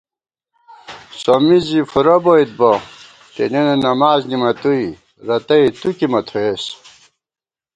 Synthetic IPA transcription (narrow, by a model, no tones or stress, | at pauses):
somizifuɾɐboit̪̚bo | t̪ḛnenenɐmaːznimɐt̪ui | ɾɐt̪ɐit̪ukimɐt̪ʰoes